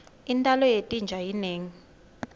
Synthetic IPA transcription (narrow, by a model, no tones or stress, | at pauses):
intʼalɔjetʼind͡ʒʱajineːŋi